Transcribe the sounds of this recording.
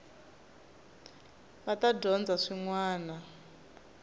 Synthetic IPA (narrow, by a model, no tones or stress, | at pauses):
βatadʱɔnd͡zaʂiŋwaːna